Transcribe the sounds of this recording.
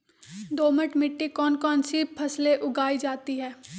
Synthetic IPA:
d̪oːməʈmɪʈːikɔːnkɔːnsipʰɐsleʔʊɡaːid͡ʒaːt̪iɦɛː

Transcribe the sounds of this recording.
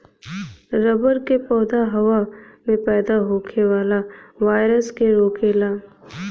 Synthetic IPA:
ɾɐbəɾkepɔːd̪aɦɐʋamẽpɛːd̪aɦoːkʰeʋaːlaʋaːɪɾəskeɾoːkʰeːlaː

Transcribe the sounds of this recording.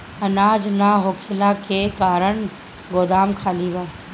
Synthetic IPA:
ɐnaːd͡ʒnaɦoːkʰɪlakekaːɾəɳ̃ | ɡoːd̪aːmkʰaːliʋa

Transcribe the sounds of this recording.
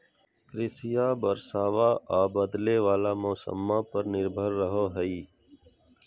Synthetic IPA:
kɾɪsɪjaːbəɾsaːʋaʔaːbəd̪leʋaːlamɔːsə̰mːãpəɾnɪɾbʱəɾːəɦoɦəiː

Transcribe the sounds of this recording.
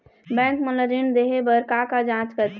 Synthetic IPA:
bɛ̃ŋkmələɾind̪eɦebəɾkakad͡ʒãt͡ʃkəɾt̪

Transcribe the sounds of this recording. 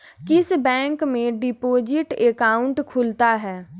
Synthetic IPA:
kɪsbɛ̃ːŋkmẽɖɪpoːd͡ʒɪʈekaːʊ̃ɳʈkʰʊlt̪aɦɛː

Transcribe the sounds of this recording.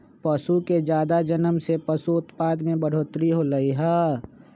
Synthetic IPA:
pəsuked͡ʒjaːd̪ad͡ʒənəmsepəsuʊt̪paːd̪mẽbəɽ̤oːt̪ɾiɦoləiɦɛː

